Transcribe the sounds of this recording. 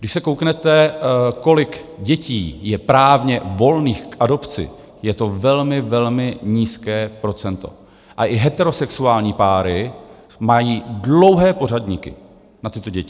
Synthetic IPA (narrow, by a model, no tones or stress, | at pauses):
ɡdɪʃsɛkowknɛt̪ɛko̞lɪkɟɛciːjɛpɾaːvɲɛvo̞lniːxkʔado̞pt͡sɪ̰ | jɛt̪o̞vɛlmɪvɛlmɪɲiːskɛːpɾo̞t͡sɛnt̪o̞̰ | ʔaʔɪɦɛt̪ɛɾo̞sɛksuaːlɲiːpaːɾɪ | majiːdlo̞wɦɛːpo̞ɾadɲikɪ̰ | nat̪ɪt̪o̞ɟɛcɪ